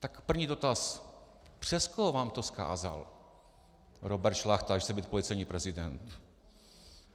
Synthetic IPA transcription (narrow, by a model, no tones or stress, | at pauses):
t̪akpr̩vɲiːdo̞t̪as | pr̝̥ɛst̪koɦovaːmt̪oska̰ːza̰l | ɾobɛɾt̪ʃlaxt̪aʃsɛbit̪̚polɪt͡sɛjɲiːpɾɛzɪdɛnt̪